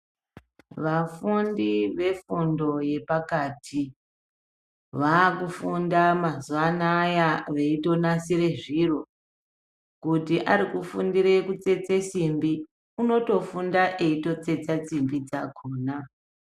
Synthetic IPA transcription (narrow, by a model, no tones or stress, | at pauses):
ʋafundiʋe̞fundo̞je̞pakaːtʰi | ʋaːkufundamazuʋanajaʋe̞ito̞nasiɾe̞ʐiro̞ | kutiʔaɾikufundiɾekut͡se̞t͡sesimbi | uno̞to̞fundaʔe̞ito̞t͡se̞t͡sat͡simbid͡zaɡʱoːna